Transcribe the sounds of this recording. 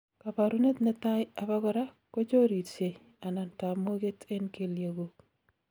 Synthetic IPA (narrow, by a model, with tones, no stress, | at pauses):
ka˨pa˨ɾu˦ne˦t̪ne˦ta˦ja˨pa˦kɔ˦ɾa˦ | ko˦t͡ʃo˦ɾi˨tse˨ | a˨na˨nta˨mo˦ke˦te˦nke˨lje˨ɡo˨k